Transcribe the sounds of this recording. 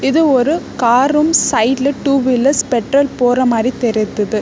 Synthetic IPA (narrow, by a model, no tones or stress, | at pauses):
ɪðɯɔɾɯkaːɾɯmsɐɪʈlɯʈːuːʋɪlːɐspɛʈrɐlpoːrɐmaːɾit̪ɛɾɪt̪ːɐðɯ